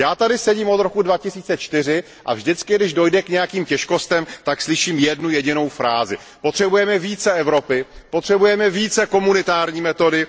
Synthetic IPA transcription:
jaːt̪adɪsɛɟiːmo̞d̪ɾo̞kudvacɪsiːt͡sɛt͡ʃt̪ɪr̝ɪ | ʔa̰vʒdɪt͡skɪɡdɪʒdo̞jdɛkɲɛjakiːmcɛʃko̞st̪ɛmt̪akslɪʃiːmjɛdnujɛɟɪno̞wfɾaːzɪ | pot̪r̥ɛbujɛmɛviːt͡sɛɛvɾo̞pɪpot̪r̥ɛbujɛmɛviːt͡sɛko̞munɪt̪aːɾɲiːmɛt̪o̞dɪ

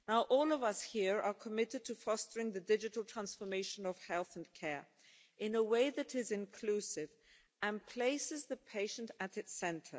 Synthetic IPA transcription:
naʊʔɔlˠʌvʌshiɹə˞kʰəmɪɾɨd̚tʰɨfɔstə˞ɪ̃ŋðɨdɪd͡ʒɨɾl̩ˠtʰɹ̥æ̃nsfə˞meɪʃnʌv̥hɛlˠθə̃n̩kʰɛɹ | ʔɨ̃nəweɪðɨɾɪzɨ̃nkʰl̥ʉsɪv | ɨ̃npʰl̥eɪsɨzðɨpʰeɪʃɨ̃n̩tɨɾɨtsɛ̃ntʰə̰˞

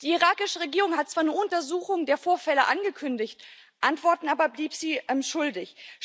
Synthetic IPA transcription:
d̥iːiʁaːkɪʃəʁeɡiːʁʊŋhat̚t͡sv̥aːɐnəʔʊntɐzuːxʊŋdeːɐfoːɐfɛləʔanɡəkʰʏndɪçtʔantv̥ɔɐtn̩aːbɐbliːpz̥iːʃʊldɪç

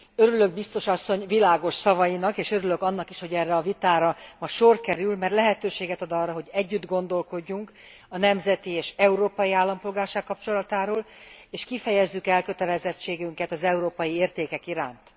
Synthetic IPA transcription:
øɾyløɡ̚bist̪o̞ʃɒsːo̞ɲvilaːɡo̞ʃsɒvɒjinɒkeːʃøɾylø̞kɒnːɒkiʃho̞ɟɛrːɛɒvit̪aːɾɒmɒʃorkɛɾylmɛrlɛɦɛt̪øːʃeːɡɛt̪ɒd̪ɒrːɒɦo̞ɟɛɟːyd̪ɡo̞nd̪o̞lko̞ɟːuŋk | ɒnɛmzɛt̪ieːʃɛuɾoːpɒjiaːlːɒmpo̞lɡaːrʃaːkːɒpt͡ʃo̞lɒt̪aːɾoːleːʃkifɛjɛzːykɛlkø̞t̪ɛlɛzɛt͡ʃːeːɡyŋkɛt̪ɒzɛuɾoːpɒjieːrt̪eːkɛkiɾaːnt̪

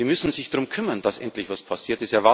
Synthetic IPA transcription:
iːmʏsn̩zɪçd̥ʁʊmkʰʏmɐnd̥asʔɛ̰ntlɪçvaspʰasiːɐtɪstɛɐva

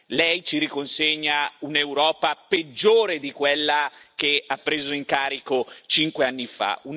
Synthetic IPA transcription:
lɛjt͡ʃiɾikonseɲːauneuɾɔːpaped͡ʒːoːɾed̪ikwelːakeapːɾeːzoiŋkaːɾikot͡ʃiŋkweanːifa̰un

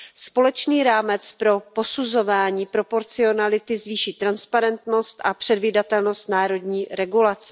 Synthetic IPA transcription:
spo̞lɛt͡ʃniːɾaːmɛt͡spɾo̞po̞suzo̞vaːɲiːpɾo̞po̞ɾt͡sɪo̞nalɪt̪ɪzviːʃiːt̪ɾanspaɾɛnt̪no̞st̪ʔapr̝̥ɛdviːdat̪ɛlno̞st̪naːɾo̞dɲiːɾɛɡulat͡sɛ̥

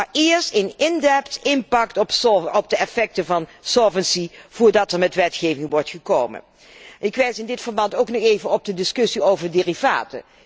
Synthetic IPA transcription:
aɪːɹstenɪndɛptɪnpɑktɔpɔp̚dəɛfɛk̚təvɑnsolˠvənsiv̥ʊːɹdɑtɛɹmɛtʋɛtχejvɪŋʋɔɹtχəkoːwmə̰n | ɪkʋɛjsɪndɪtfəɹbɑntowknɔχejvənɔb̚dədɪskɵsiowvəɹdɪːriva̰ːtə̰

